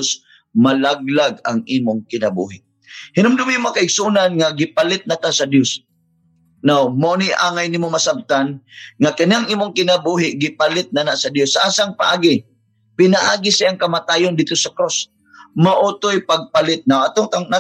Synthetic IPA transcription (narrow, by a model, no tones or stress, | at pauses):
s | malaɡ̚laɡaŋʔiːmʊŋkɪnabṵɦɪʔ | hɪnʊmd̪ʊmimoakaɪɡsʊunanŋaɡɪpalɪt̪̚nat̪asɐd̪jos | nawmaʔoniʔaːŋajniːmomasab̚t̪anŋakaniaŋiːmʊŋkɪnabuɦɪʔɡɪpalɪt̪̚nanaʔsad̪josːaʔaːsaŋpaʔaːɡɪ | pɪnaʔaːɡɪsiaŋkɐmat̪aːjʊnd̪id̪̚t̪ːosakɾos | maʔuːt̪ojpaɡ̚palɪt̪̚nawʔat̪oŋt̪aŋna